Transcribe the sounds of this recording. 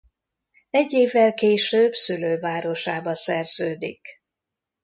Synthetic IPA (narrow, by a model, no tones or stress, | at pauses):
ɛɟːeːvːɛlkeːʃøːbsyløːvaːɾo̞ʃaːbɒsɛrz̥øːd̪ḭk